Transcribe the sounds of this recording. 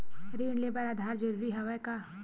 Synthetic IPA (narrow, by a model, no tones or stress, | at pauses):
ɾiːɳleːbəɾad̪ʱaːɾd͡ʒɐɾuɾiɦɐʋəjka